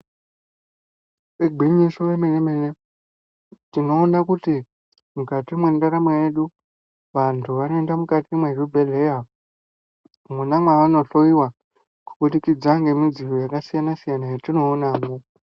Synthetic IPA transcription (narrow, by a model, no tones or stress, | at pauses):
eɡʱiɲisoʋemenemene | tino̞ːnakuti | mukatimwendaɾamweje̞ɗu | ʋantʰuʋano̞endamukatimwerubʱe̞ɮe̞ja | munamwaʋano̞ɬo̞jiwa | ku̥ɓuɗikid͡zaŋɡe̞mid͡zijojakasijanasijanajatino̞ːnaːŋɡo